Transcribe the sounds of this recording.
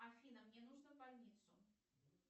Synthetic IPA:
axʲinəmnʲenuʐnəvbalʲnʲit̪sʊ

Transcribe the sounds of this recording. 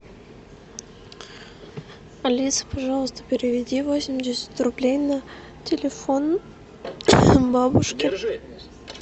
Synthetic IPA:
ɐlʲisə̥pɐʐɑlˠəst̪ə̥pʲɪɾʲɪvʲɪdʲivosʲɪmʲdʲɪsʲɪ̥t̪ʲrʊblʲejnə | tʲʰɪlʲɪfon | bɑbuʂkʲɪ

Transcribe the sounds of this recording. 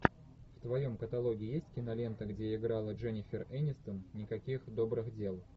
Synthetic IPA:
ft̪vɐjo̞mkət̪ɐlˠo̞ɡʲɪːjesʲtʲkʲɪnɐlʲe̞nt̪əɡdʲeɪɡɾalˠəʐɛnʲɪfʲɪrɛnʲɪst̪ənnʲɪkɐkʲixd̪o̞bɾɨxdʲe̞lˠ

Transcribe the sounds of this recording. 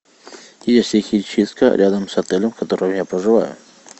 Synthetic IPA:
ɪjasʲexʲit͡ɕist̪kə̰ɾʲʔad̪əmsɐt̪ɛlʲəmkɐt̪oɾəjʊjapɾəʐɨva̰jʊ̰

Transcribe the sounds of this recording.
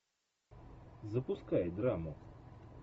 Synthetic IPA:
zɐpʊskajd̪ɾamʊ

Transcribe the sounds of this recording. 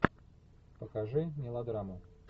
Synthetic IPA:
pəkaʐɨmʲɪlˠɐd̪ɾamʊ

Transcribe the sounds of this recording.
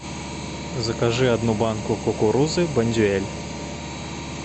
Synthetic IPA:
zɐkaʐɨad̪nubankukɔkuɾuzɨbɐnʲd̪ʲuɛlʲ

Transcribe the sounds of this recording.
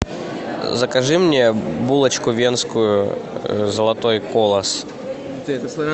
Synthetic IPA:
zəkɐʐɨmnʲebulˠət͡ɕkʊvʲe̞nskʊjʊ | zəlˠɐt̪o̞jkolˠəs

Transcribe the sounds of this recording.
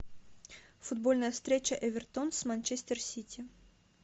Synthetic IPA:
fʊd̪̚bolʲnəjəfst̪ɾʲet͡ɕəʔɛvʲɪrt̪onsmanʲt͡ɕesʲt̪ʲersʲitʲʰɪ

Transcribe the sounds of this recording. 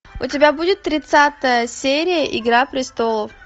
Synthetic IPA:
ʊtʲɪbʲabudʲɪt̪ːɾʲɪt̪sat̪əjəsʲeɾʲɪjəʔɪɡɾapɾʲɪst̪olˠəf

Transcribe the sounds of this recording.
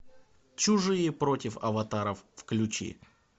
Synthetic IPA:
t͡ɕʊʐɨjəpɾo̞tʲɪfɐvɐt̪aɾəfːklʲʊt͡ɕḭ

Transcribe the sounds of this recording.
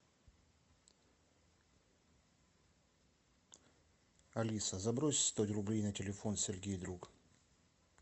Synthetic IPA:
ɐlʲisəzɐbɾosʲst̪otʲrʊblʲejnətʲɪlʲɪfo̞nsʲɪlʲɡʲejd̪ɾuk

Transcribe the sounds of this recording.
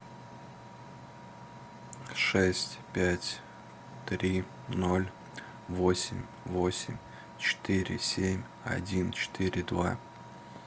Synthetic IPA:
ʂɛsʲtʲpʲætʲ | t̪ɾʲi | no̞lʲ | vosʲɪmʲ | vo̞sʲɪmʲ | t͡ɕɪ̥t̪ɪɾʲɪ̰sʲemʲ | ɐ̰dʲint͡ɕɪ̥t̪ɨɾʲɪd̪va

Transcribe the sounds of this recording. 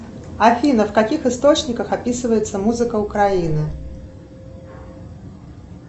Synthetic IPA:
afʲinəfkakʲixɨst̪ot͡ɕnʲɪkəxapʲisɨvəjɪt̪sːəmuzɨkəʊkɾainɨ

